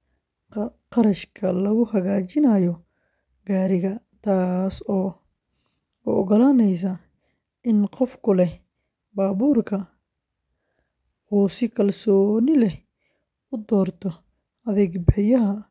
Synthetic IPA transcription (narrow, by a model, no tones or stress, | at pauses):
qɑɾɐʃkʰɐlɐɣʊhɐɣaːt͡ʃɪnɐjɔ | ɡ̥aːɾɪɣɐ | t̪ʰaːsɔː | ʊɔɣɔlaːnɛjs̬ɐ | ɪnqɔfkʰʊlɛ | baːβuːrkʰɐ | uːsɪkʰɐlsɔːnɪlɛ | ʊd̪ɔːrt̪ʰɔ | ɐðɛɡbɛjɐɦɐ